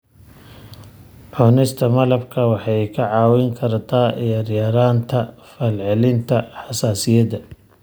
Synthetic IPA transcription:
ʕɔnɪst̪ʰɐmɐlɐbkʰɐwɑħɑjkʰɐʕɑːwɪŋkʰɐrt̪ʰaːʔɛjɐɾjaɾaːnt̪ʰɐ | fɐlʕɛlɪnt̪ʰɐħɑsaːsɪjɐd̪ɐ

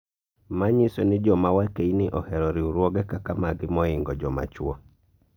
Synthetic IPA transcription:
maɲisɔnɪd͡ʒɔmawakeinɪʔɔhɛɾɔɾɪuɾwɔɡɛkakamaɡɪmɔɪŋɡɔd͡ʒɔma̰t͡ʃwɔ

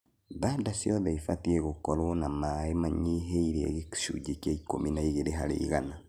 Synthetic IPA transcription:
ðaːdasjɔðɛifatiɛɣokɔɾonamaemaɲiɦeiɾeɛ̰ɣeki̥ʃṵd͡ʒekjaikominaiɣeɾeɦaɾḛiɣana

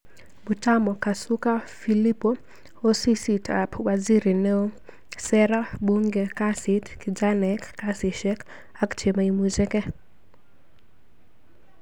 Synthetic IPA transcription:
butamɔkasukafilipɔ | ɔsisitʰa̰pwaziɾinɛɔ | sɛɾabuŋɡɛkasitkid͡ʒanɛkːasiʃɛk | akt͡ʃɛmaimud͡ʒɛkɛ

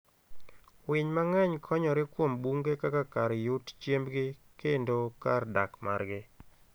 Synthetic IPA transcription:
wɪɲmaŋɛɲkʰɔɲɔɾɪkwombuŋɡekakakaɾjutt͡ʃjembɡɪ | kendokarda̰kma̰ɾɡɪ

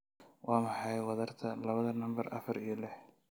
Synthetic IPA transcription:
wʔɑːmɑħɑjwɑðɐrt̪ʰɐlɐβɐðɐnɐmbɐrʔɐ̰fɐɾijɞlɪħ

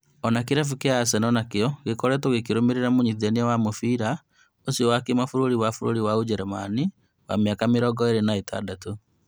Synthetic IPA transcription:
ɔnakeɾafukeasɛnɔnakeɔɣekɔɾɛtoɣekiɾomeɾeɾamoɲiðɛneawamofiɾa | osiɔwakemafuɾoɾiwafuɾo̰ɾiwaud͡ʒɛɾɛma̰ni | wa̰meakameɾɔɡɔeɾenaetʰa̰dato

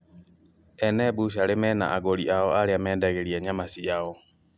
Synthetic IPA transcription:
ɛnɛbuɕalemɛna̰ʔaɣoliʔaɔaɾeamɛːndɛɣeɾiɛɲamasiaɔ

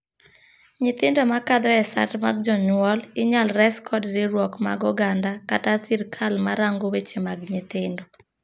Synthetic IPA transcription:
ɲɪt̪ɪndɔmakad̪ɔɛsa̰tmaɡ̚d͡ʒɔɲwɔlɪɲalɾɛskʰɔdɾɪɾwɔkma̰ɡɔɡandakatasiɾkʰalmaɾaŋɡowet͡ʃemaɡɲɪt̪ɪndɔ

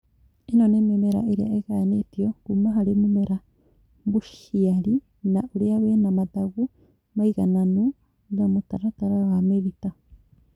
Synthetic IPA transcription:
enonememeɾa̰ʔeɾia̰ʔeɡanetioɡ̥umaɦaɾimumeɾa | buʃiaɾi | naʔuɾiaβenamadaɡu | majɡananu | iɾamotaɾataɾawameβita

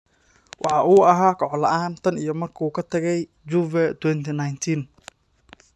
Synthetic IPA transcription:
wʔɑħɑʔuːɐɦaːkʰɔʕɔlɐʔaːnt̪ʰɐnijɞmɐrkʰuːkʰɐt̪ʰɐɣɛj | d͡ʒuːvɛt̪ʰwɛnt̪ʰinajnt̪ʰin

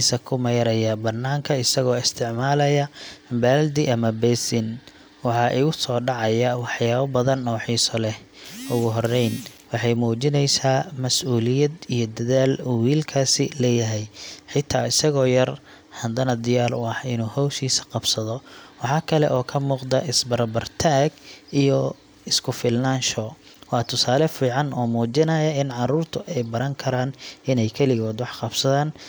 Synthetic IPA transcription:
isɐkʰʊmɛjɾɐjɐbɐnːaːŋkʰɐɪsɐɣɔːɪst̪ʰɪʕmaːlɐjɐbɛːld̪ɪʔɐmɐbɛsɪn | wɑħɑːʔɪɣʊsɔːɖɑʕɑjɐwɑħjaːβɐbɐðɐnːɔːħiːsɔlɛh | ʔʊɣʊɦɔrɛjn | wɑħɑjmuːt͡ʃɪnɛjsaːmɐsʔuːlɪjɐd̪ijɔd̪ɐðaːluːwiːlkʰaːsɪlɛːjɐɦɛjħɪt̪ʰːaːɪsɐɣɔːjɐr | hɐnd̪ɐnɐd̪ɪjaːlʊɑħɪnuːhɔwʃiːsɐ̥qɑb̥sɐðɔwɑħɑːkʰɐlɛʔɔːkʰɐmuːqd̪ɐʔɪsbɐɾbɐrt̪ʰaːɡijɔ | ɪskʰʊfɪlnaːnʃɔː | wɑːt̪ʰʊsaːlɛfiːʕɑnɔːmuːt͡ʃɪnɐjɐɪnʕɑɾuːrt̪ʰʊʔɛjbɐɾɐŋkʰɐɾaːnɪnɛjkʰɛlɪɣɔːd̪wɑħqɑbsɐðaːn

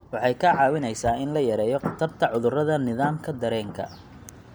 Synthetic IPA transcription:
wɑħɑjkʰɐʕɑːwɪnɛjsaːɪnlɐjɐɾɛːjɔqɑt̪ʰɐrt̪ʰɐʕʊðʊrɐðɐnɪðaːmkʰɐd̪ɐɾɛːŋkʰɐ̰

